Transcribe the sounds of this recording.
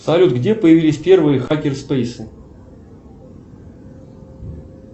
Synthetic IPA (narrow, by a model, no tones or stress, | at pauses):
sɐlʲut̪ɡdʲepəjɪvʲilʲɪsʲpʲe̞rvɨjəxakʲɪrspejsɨ